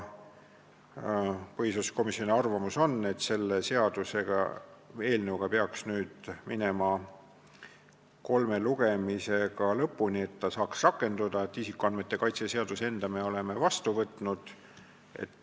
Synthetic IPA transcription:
pɤɦisosko̞misjo̞nʲiɑrvɑmuso̞nːe̞t̪ːse̞lːe̞se̞ɑd̪̥use̞ɡ̥ɑ̰e̞ːlnɤwɡ̥ɑpeɑksnyːd̪̥minemɑ | ko̞lme̞luɡ̥e̞mise̞ɡ̥ɑlɤpːˑunie̞t̪ːɑsɑːksrɑkːˑe̞nd̪ud̪ɑet̪ːisikːˑuɑnme̞t̪ːe̞kɑjt̪sese̞ɑd̪̥use̞nd̪̥ɑme̞o̞le̞me̞vɑst̪uvɤt̪nud̪̥ | e̞̰t̪ː

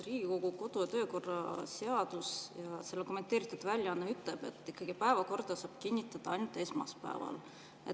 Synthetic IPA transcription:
riːɡ̥iko̞ɡ̥uko̞d̪ujɑt̪ø̞ːko̞rːɑse̞ɑd̪̥usjɑse̞lːeko̞mːe̞nt̪eːɾit̪ːˑud̪̥vælʲjɑɑnːɑyt̪ˑleb̥e̞t̪ːˑikːɑɡ̥ipæevɑko̞rd̪̥ɑsɑːb̥kinʲːit̪ːˑɑd̪̥ɑɑjnut̪ːˑe̞smɑ̰spæ̰ḛvɑ̰l | e

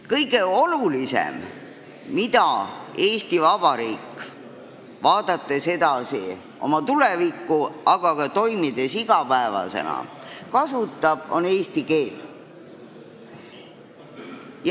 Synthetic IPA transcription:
kɤjɡ̥e̞o̞lulisḛm | mid̪̥ɑe̞ːst̪ivɑb̥ɑɾiːkː | vɑːd̪̥ɑt̪ːese̞d̪ɑsḭ | ʔo̞̰mɑt̪ulevikˑːuɑɡ̥ɑkɑt̪o̞jmid̪̥e̞siɡ̥ɑpæevɑ̰se̞̰nɑ̰ | kɑsut̪ˑːɑb̥o̞̰neːst̪ike̞ːl | j

